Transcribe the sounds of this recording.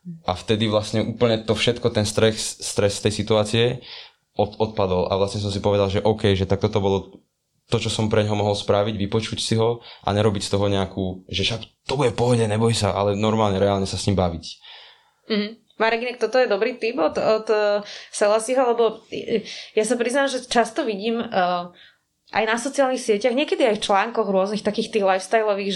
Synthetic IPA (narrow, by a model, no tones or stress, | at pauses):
ʔaft̪ɛd̪iʋlasɲɛʔuːpl̩ɲɛt̪ɔfʃɛt̪kɔt̪ɛnst̪ɾɛxst̪ɾɛst̪ɛjsit̪uaːt͡siɛ | ɔt̪ɔt̪̚pad̪ɔla̰ʋlasɲɛs̬ɔmsipɔʋɛd̪alʒɛʔɔʊkɛjʒɛt̪ak̚t̪ɔt̪ɔbɔlɔ | t̪ɔt͡ʃɔsɔmpɾɛɲɦɔmɔɦɔlspɾaʋiɟʋipɔt͡ʃucsiɦɔʔa̰ɲɛɾɔbicst̪ɔɦɔɲɛakuːʒɛʃakt̪ɔbuɟɛpɔɦɔɟɛɲɛbɔjsa̰ʔa̰lɛnɔɾmaːlɲɛɾɛaːlɲɛsasɲimbaʋic | m̩ɦ̩ | maɾɛɡinɛk̚t̪ɔt̪ɔjɛd̪ɔbɾiːt̪ipɔt̪ɔt̪ːsɛlasiɦɔlɛbɔ | jasapɾiznalʒɛt͡ʃast̪ɔʋiɟiːmː | ʔa̰jnasɔt͡siaːlnixsɪɛcaɣɲɪɛkɛd̪iajft͡ʃlaːŋkɔɣɾʊɔznixt̪akiːxt̪iːɣlajfst̪ajlɔʋiːɣʒ